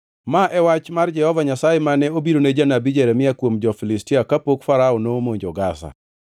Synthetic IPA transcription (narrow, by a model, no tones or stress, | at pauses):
maʔɛwat͡ʃmard͡ʒɛhɔvaɲasajemanɛobiɾoned͡ʒanabid͡ʒɛɾɛmɪakwomd͡ʒɔfilɪstiakapokfaɾaonomoɲd͡ʒɔɡasa̰